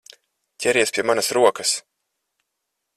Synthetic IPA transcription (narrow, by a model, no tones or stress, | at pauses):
cʲɛɾiɛspʲiɛmanɐsɾuɔkɐs